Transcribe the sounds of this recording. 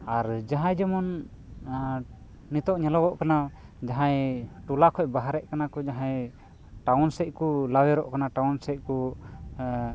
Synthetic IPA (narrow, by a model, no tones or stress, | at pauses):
aɾd͡ʒaɦãjd͡ʒɔmɔn | it̪ɔʔɲɛlɔɡɔʔkana | d͡ʒaɦãjʈulakʰɔc̚baɦaɾɛʔkanakɔd͡ʒaɦãj | ʈawnsɛc̚ˀkulawɛɾɔʔkanaʈawnsɛc̚ku